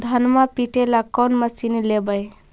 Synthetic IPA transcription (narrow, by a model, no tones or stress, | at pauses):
d̪ʱənmapiʈelakɔnməsinilebəj